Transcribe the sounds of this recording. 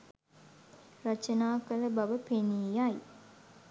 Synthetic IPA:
rat͡ʃənaːkələbaʋəpeniːjaj

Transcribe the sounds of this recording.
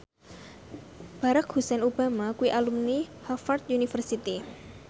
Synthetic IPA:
b̥aɾakhusɛnub̥a̤makuiʔalumnihɔfart̪̚unifərsit̪i

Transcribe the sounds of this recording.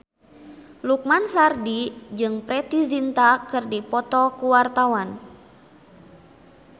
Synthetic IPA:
luk̚mansardid͡ʒɨŋpɾɛt̪izint̪akɨrdipɔt̪ɔkuwart̪awan

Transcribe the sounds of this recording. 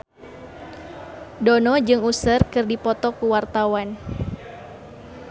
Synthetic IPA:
donɔd͡ʒɨŋusərkɨrdipɔt̪ɔkuwart̪awan

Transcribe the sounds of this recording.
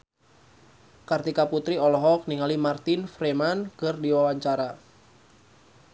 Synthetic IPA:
kart̪ikaput̪ɾiɔlɔɦɔk̚niŋalimart̪infɾemankɨrdiwawaɲt͡ʃaɾa

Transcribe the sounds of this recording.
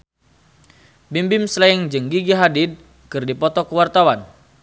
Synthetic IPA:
bimbɪmslaɪŋd͡ʒɨŋɡiɡiɦadɪd̚ | kɨrdipɔt̪ɔkəwart̪awan

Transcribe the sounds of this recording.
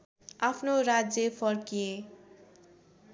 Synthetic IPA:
apʰnoɾad͡zjʌpʰʌrkije

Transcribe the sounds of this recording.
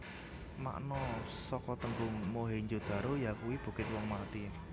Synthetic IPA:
ma̰ʔnɔsɔkɔt̪əŋɡʊŋmoɦeɲd͡ʒod̪̥a̤ɾojakuwib̥ṳɡ̥ɪt̪̚wɔŋmat̪i

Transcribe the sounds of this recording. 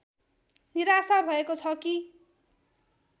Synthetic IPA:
niɾasabʱʌekot͡sʰʌki

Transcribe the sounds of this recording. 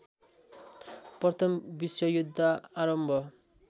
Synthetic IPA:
prʌt̪ʰʌmbiswʌjud̪ʱːaaɾʌmbʱʌ

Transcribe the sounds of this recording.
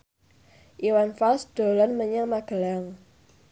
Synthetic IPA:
ʔiwanfalsd̪̥o̤lɔnməɲaŋmaɡ̥ə̤laŋ

